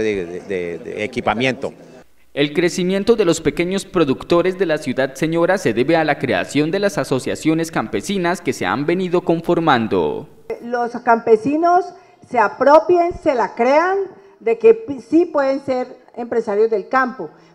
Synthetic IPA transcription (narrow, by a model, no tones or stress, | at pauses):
edeekipamjent̪o̰ | e̞lkɾe̞simje̞nt̪o̞ðe̞lo̞spe̞ke̞ɲo̞spɾo̞ðukt̪o̞ɾe̞zd̪e̞lasjuðad̪seɲo̞ɾase̞ðe̞βe̞alakɾe̞a̰sjo̞nd̪e̞lasaso̞sja̰sjo̞ne̞skampe̞sinaske̞se̞̰a̰mbe̞niðo̞ko̞ɱfo̞ɾmãnd̪o̞̰ | loskampe̞sinosː | e̞apɾopjenselakɾe̞an | d̪e̞kesipwe̞ðenseɾ | empɾesaɾjo̞zd̪e̞lkampo